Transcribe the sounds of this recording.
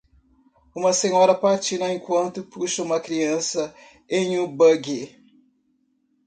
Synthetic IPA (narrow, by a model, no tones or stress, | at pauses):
ũmɐsẽɲɔɾɐpaɾt͡ʃinɐẽkwɐ̃nt̪ʊpuʃɐũmɐkɾiɐ̃sɐ | ẽj̃ũbɐɡe